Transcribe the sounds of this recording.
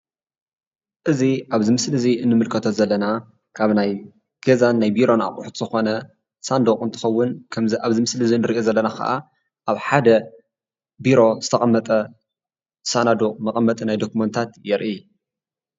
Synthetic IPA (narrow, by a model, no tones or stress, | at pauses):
ʔɨziʔaβzimɨslɨziʔɨnːɨmɨlkʰɐt̪ʰozɐlːɐna | kʰaβnaj | ɡ̥ɐzanːajbiɾo̞na̰χʼṵħt̪ʰzɨxo̞nɐ | sand̪okʼɨnt̪ʰɨ̥xɐwːʊnkʰɐmziʔaβzimɨslɨziɨnːɨɾiʔozɐlːɐnakʰɐ̰ʔa | ʔaβħad̪ɐ | biɾo̞z̥ɨt̪ʰɐχʼɐmːɐt̪ʼɐ | sanad̪okʼmɐkʼɐmːɐt̪ʼnajd̪o̞kumɐnt̪ʰat̪jɛɾʔi